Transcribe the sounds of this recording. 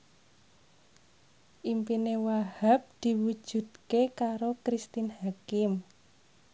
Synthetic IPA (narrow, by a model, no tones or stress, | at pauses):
ʔimpinewahap̚d̪̥i̤wud̥ʒ̥ṳd̪̥̚kekaɾokɾist̪inhakɪm